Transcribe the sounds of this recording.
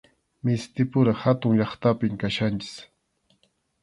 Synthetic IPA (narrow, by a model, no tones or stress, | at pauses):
mɪst̪ɪpʊɾahat̪ʊŋʎɑχt̪apɪŋkaʃant͡ʃɪ̥s